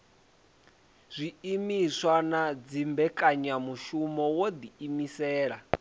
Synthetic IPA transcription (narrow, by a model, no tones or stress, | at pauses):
z̥ʷiimiswanad͡zimbɛkʼaɲamuʃumɔwod̪iːmisɛːɺa